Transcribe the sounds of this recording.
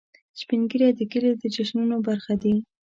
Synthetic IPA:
spinɡiɾjad̪əkəled̪əd͡ʒaʃnunobaɾxad̪i

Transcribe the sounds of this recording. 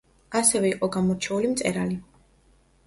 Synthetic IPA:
asɛvɛiqʼɔɡamɔɾt͡ʃʰɛulimt̪sʼɛɾali

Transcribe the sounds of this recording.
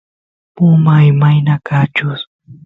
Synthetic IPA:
pʊmajmajnakat͡ʃʊs

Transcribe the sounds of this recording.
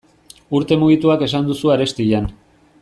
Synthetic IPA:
uɾt̪e̞muɣ̞it̪uake̞s̬and̪usuaɾe̞st̪iʎan

